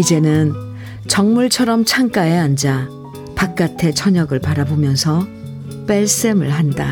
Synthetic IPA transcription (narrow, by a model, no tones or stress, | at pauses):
id͡ʑe̞nɯn | t͡ɕʌŋmuɭt͡ɕʰʌɾʌmt͡ɕʰaŋk͈ae̞and͡ʑa | pak̚k͈atʰe̞t͡ɕʰʌɲʌɡɯɭpaɾabomjʌnsʰʌ | p͈eɭs͈emɯɭɦanda